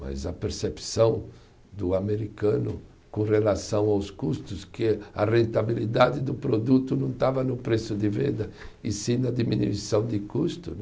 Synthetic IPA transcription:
mɐ̰zɐpeɾsepsɐ̃w̃ | d̪ʊameɾikɐ̃nʊ | kõrelasɐ̃w̃awskust̪ʊskɪɐrẽnt̪abilid̪ad̪ɪd̪ʊpɾod̪ut̪ʊnɐ̃w̃t̪avɐnʊpɾesʊd̪ɪvẽnd̪ɐɪsĩnɐd̪iminuisɐ̃w̃d̪ɪkust̪ʊ

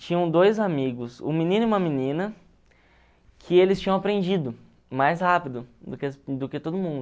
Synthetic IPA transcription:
t͡ʃĩɲɐ̃w̃d̪ojzamiɡʊsʊ̰mĩnĩnʊiũmɐminĩnɐ | kʰɪelɪst͡ʃĩɲɐ̃w̃apɾẽnd͡ʒid̪ʊ | majshapid̪ʊd̪ʊksd̪ʊkɪt̪od̪ʊmũnd̪

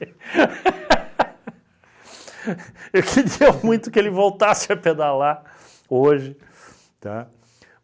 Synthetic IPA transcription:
ekʰɪɾiɐmũj̃t̪ʊkɪelɪvowt̪asɪɐped̪ala | oʒɪ | t̪a̰

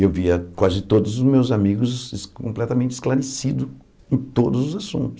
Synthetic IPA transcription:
ewviɐkwazɪt̪od̪ʊzʊzmewzamiɡʊzskõ̰mplɛt̪ɐmẽnt͡ʃɪ̥sklaɾesid̪ʊ | ẽt̪od̪ʊzʊzasṵ̃t̪ʊ̥

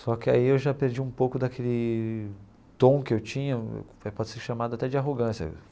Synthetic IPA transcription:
sɔkɪa̰iewʒapeɾd͡ʒiũpowkʊd̪ɐkʰelɪ | t̪õw̃kɪewt͡ʃĩɲɐ̰ | ɛpɔd͡ʒɪseɾʃamad̪ʊat̪ɛd͡ʒɪaɦoɡɐ̃sjɐ̰

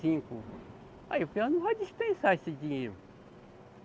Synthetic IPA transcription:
ĩkʊ | a̰iopẽnɐ̃vajdispẽsaesɪdĩɲejɾʊ

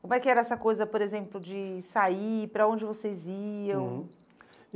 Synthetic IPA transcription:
kõmʊɛkɪɛɾɐɛsɐkojzɐpoɾezẽmplʊd͡ʒɪsaipɾɐõd͡ʒɪvosejziɐ̃w̃

